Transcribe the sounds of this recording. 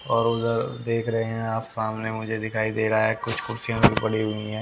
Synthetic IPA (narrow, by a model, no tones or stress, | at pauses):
ɔːɾʊd̪əɾd̪eːkʰɾɐɦeɦɛ̃aːpsaːmnemʊd͡ʒʱed̪ɪkʰaːid̪eːɾaaɦɛkʊt͡ʃʰxʊɾsijãbʱibɐɽiɦʊĩɦɛ̃ː